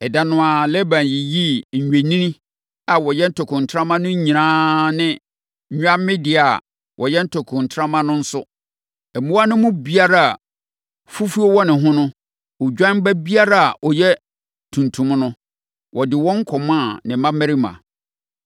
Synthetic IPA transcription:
ɛ˨da˨nʊ̃˦a˨lɛ˦bã˨nji˨ji˦ɲ̩˨ɲᶣe˨nĩ˦nĩ˦ | a˨wɔ˨jɛ˦n̩˦tʰɔ˨kʰʊ̃˨n̩˨tʰɾã˦mã˦nʊ̃˦ɲ˦ɲĩ˨ãː˦nɪ̃˦ | ɲᶣ˦a˦mɪ̃˦dɪ˨a˨ | wʔɔ˨jɛ˦n̩˦tʰɔ˨kʰʊ̃˨n̩˨tʰɾã˦mã˦nʊ̃˦n̩˦sʊ˦ | ɛ˨mũ˦wa˦nɪ̃˦mʊ̃˦bi˦a˦ɾa˦a˨ | fu˦fu˦ɔ˦wɔ˦nɪ̃˨ɦʊ̃˦nʊ̃˦ | ɔ˨d͡ʑᶣã˦nm˦bæ˦bi˦a˦ɾa˦a˨ʔɔ˨jɛ˦ | tʰũ˨ntʰũ˨m˦nʊ̃˦ | wʔɔ˨dɪ˨wɔ̃˦ŋ̩˦kʰɔ˨mã˦˨nɪ̃˨˦mã˦mɛ˦ɾi˦mã̰˨

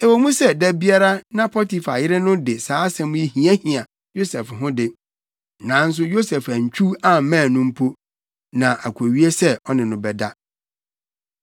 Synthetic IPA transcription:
ɛ˨wɔ˨mũ˦sɛ˦dæ˨bi˦a˦ɾa˦nã˦pʰɔ˦ti˨fa˨jɪ˦ɾɪ˦nʊ̃˦dɪ˨saː˨˦sɛ̃˦mʊ̃˦i˦hĩ˦æ˦hĩ˨a˨ | jo˦sɛ˨fɦʊ̃˦dɪ˨ | nã˨˦n̩˦s̬ʊ˦jo˦sɛ˨fa˨ɲ̩˨t͡ɕʰᶣu˦a˦˨mãː˦˨nʊ̃˦m̩˦pʰo˦ | nã˨ʔa˨kʰæ˨ɥi˦e˦sɛ˦ɔ˦nɪ̃˨nʊ̃˨bɛ˨da˦

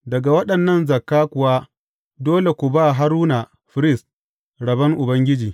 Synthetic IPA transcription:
dɐ˨ɡa˨wɐ˦ɗɐ˨nːɐ˦˨nzɐ˨kːaː˦kʷʊ˨waː˦ | doː˦le˨kʷu˨baː˦˨ɦa˦ɾuː˦na˨ | ɸɪ˨˦ɾɪ˦˨s | ɽɐ˨bɐ˦ŋʔʊ˨bɐ˦ŋɡʲɪ˦d͡ʒiː˨

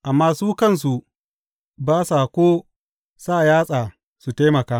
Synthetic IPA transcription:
ʔa˨mːaː˦suː˦kɐ˦˨ns̬u˨ | baː˦saː˨kʷoː˦ | saː˦˨jaː˦sʼaː˨ | su˨ta˦mɐ˨kaː˦

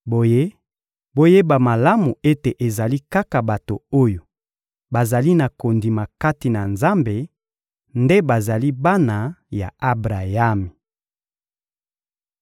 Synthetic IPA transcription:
bo˨je˦ | bo˦je˦ba˨ma˨la˦mu˨e˦te˨ʔe˨za˨li˦ka˦ka˨ba˨to˨o˦jo˨ | ba˨za˨li˦na˨ko˨ndi˨ma˨ka˦ti˨na˨nza˦mbe˨ | nde˦ba˨za˨li˦ba˦na˨ja̰˨a˦bʁa˨ja˦mi˨

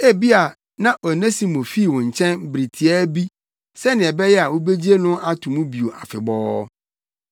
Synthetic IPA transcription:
e˦bi˦a˨ | nã˦ʔɔ˨nẽ˦si˨mõ˨fi˦˨wʊ̃˨ɲ̩˨t͡ɕʰɛ̃˦nbɾi˨tʰi˨ɛ˦bi˦ | sɛ˦nɪ̃˨ɛ˨bɛ˦jɛ˦a˨wõ˦be˦d͡ʑi˦e˦nʊ̃˦ʔa˦tʰũ˨mũ˦bi˨o˨ʔa̰˨fɪ̰˨bɔː˦

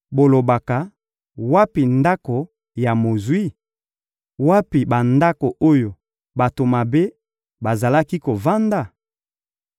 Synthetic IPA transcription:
bo˨lo˨ba˨ka˨ | wa˦pi˨nda˦ko˨ | ja˨mo˨zwi˦ | wa˦pi˨ba˨nda˦ko˨ʔo˦jo˨ | ba˨to˨ma˨be˦ | ba˨za˨la˦ki˦ko˨va˦nda˨

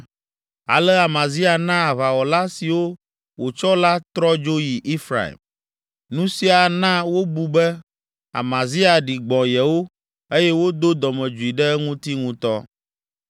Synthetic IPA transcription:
a̰˨lɛ˦a˨mã˨zi˦a˨nã˦a˨va˨wɔ˨la˦si˨wo˦ | wo˨t͡ʃɔ˦la˦t̪ɾɔ˦d͡ʒo˦ji˨ʔi˦fɾa̰˨ḭ˨m | nũ˦si˦a˨nã˦wo˦bu˨bɛ˦ | a̰˨mã˨zi˦a˨ɖi˨ɡ͡bɔ̃˨jɛ˨wo˦ | e˦jɛ˦wo˦d̪o˦d̪ɔ˨mɛ̃˨d͡ʒu˨i˨ɖɛ˦ŋũ˦t̪i˦ŋũ˦t̪ɔ̰˦

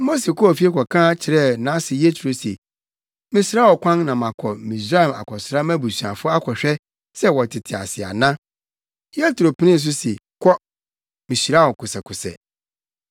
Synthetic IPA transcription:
mo˦s̬e˨kʰɔ˦ɔ˨fi˦e˦kɔ˨kʰãː˦t͡ɕʰɪ˨ɾɛ˦˨nã˨˦sɪ˨jɛ˦tʰɾo˦se˨ | mɪ̃˦sɪ˦ɾa˦wɔ˨kʷʰã˦ŋnã˨mã˨kʰɔ˨mĩ˨s̬ɾa˦ɛ˨ma̰˨kʰɔ˨sɪ˦ɾa˦mæ̃˦bu˨su˨ã˨fʊ˦a˦kʰɔ˨ɕᶣɛ˦ | sɛ˦wɔ˨tʰɪ˨tʰɪ˨a̰˨sɪ˨a̰˨nã˦ | jɛ˦tɾo˨pʰĩ˦nĩ˦˨s̬ʊ˦se˨ | kʰɔ˦ | mɪ̃˨ɕi˨a˦wɔ˨kʰʊ˨sɛ˨kʰʊ˨sɛ̰˨

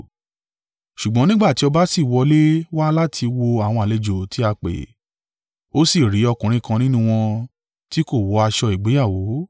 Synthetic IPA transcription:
ʃu˨ɡ͡bɔ̃˨˦nĩ˦ɡ͡ba˦˨ti˨˦ɔ˧ba˦si˦˨wɔ˧le˦wa˦la˦tʰi˧wo˧a˨w̃ɔ̃˧˨a˨le˧d͡ʒo˨ti˨˦a˧k͡pḛ˨ | o˦si˦˨ɾi˨˦ɔ˧kũ˨ɾĩ˨˦kã˧nĩ˦nũ˦w̃ɔ̃˧ | ti˦ko˦˨wɔ˨˦a˧ʃɔ˧i˨ɡ͡be˨˦ja˦˨wo˨˦

